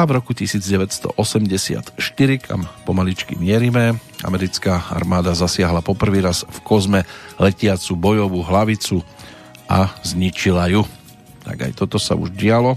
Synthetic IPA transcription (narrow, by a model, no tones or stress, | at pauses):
avɾɔkucisiːd͡zɟɛʋɛcst̪ɔ̰ʔɔsɛmɟɛsɪa̰t̪ʃt̪iɾikʰa̰mpɔmalit͡ʃkḭmɪɛɾimɛ | a̰mɛɾit͡skaa̰ɾmaːd̪azasɪaɦlapɔpr̩ʋiːɾazfkɔzmɛlɛcɪat͡subɔjɔʋuɦlaʋit͡su | ʔazɲit͡ʃilaju | t̪a̰ɡa̰jt̪ɔt̪ɔsa̰ṵʒɟɪalɔ